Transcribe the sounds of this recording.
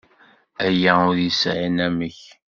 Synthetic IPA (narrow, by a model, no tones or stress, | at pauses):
æjæʊɾjisʕinæməç